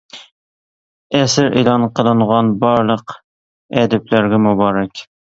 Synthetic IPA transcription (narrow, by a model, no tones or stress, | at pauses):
æsɪɾʔḛlˠɑnqʰəlˠɨɴʁɑnbɒɾlˠəq | ɛd̪æplæɾɡʲæmʊbɑɾɛkʲ